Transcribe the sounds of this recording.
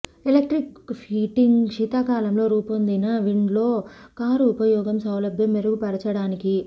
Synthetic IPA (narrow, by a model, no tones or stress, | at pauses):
elek̚ʈɾikpʰiːʈiŋɡʂiːt̪aːkaːlɐmlo̞ːɾuːpond̪inɐʋiɳɖlo̞ːkaːɾuːpɐjɔːɡɐmsɐwlɐbjɐmːeɾɐɡupɐɾɐt͡ʃɐɽaːniki